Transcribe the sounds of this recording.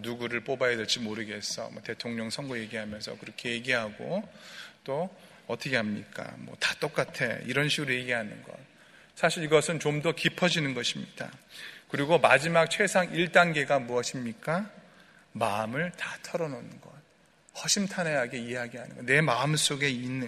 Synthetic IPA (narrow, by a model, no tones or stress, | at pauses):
nuɡuɾɯɭp͈obajʌdet͡ɕ͈imoɾɯɡe̞s͈ʰʌ̰mʌ̰te̞tʰoŋɲʌŋsʰʌŋɡoje̞ɡiɦamjʌnsʰʌ̰kɯɾʌkʰe̞je̞ɡiɦaɡo̰ | t͈o | ʌt͈ʰʌkʰe̞ɦamɲik͈a̰mwʌ̰tḁt͈ok͈atʰe̞ḭɾʌnɕʰiɡɯɾoje̞ɡiɦanɯ̰nɡʌ̰t̚ | sʰaɕʰiɾiɡʌsʰɯnt͡ɕomdʌkipʰʌd͡ʑinɯnɡʌɕʰimɲida̰kɯɾiɡomad͡ʑimak̚t͡ɕʰwe̞sʰaŋiɭt͈anɡe̞ɡamuʌɕʰimɲik͈a | maɯmɯɭtatʰʌɾʌnonnɡʌt̚ | hʌɕʰimtʰane̞ɦaɡe̞ieɦaɡiɦanɯnŋɡʌne̞maɯms͈oɡe̞inːɯ